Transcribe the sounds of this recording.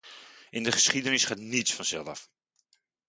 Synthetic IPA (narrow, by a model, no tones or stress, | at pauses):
ʔɪndəχə̥sχidənɪsχaːtnitsfɑnsɛ̰lˠdɑ̰f